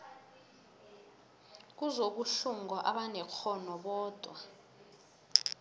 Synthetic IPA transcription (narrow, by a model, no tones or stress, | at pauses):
k̬uzoɓuʃuŋɡɔʔaɓanɛkʰɔnɔɓɔːd̥ʱwa